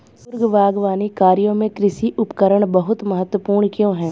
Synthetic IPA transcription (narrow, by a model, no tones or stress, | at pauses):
sʊɾɡʋaːɡʋaːnikaːɾijõmẽkɾɪʃiʔʊpkəɾəɽ̃bɐɦʊt̪mɐɦət̪ːwəpuːɾɳkjõɦɛ̃ː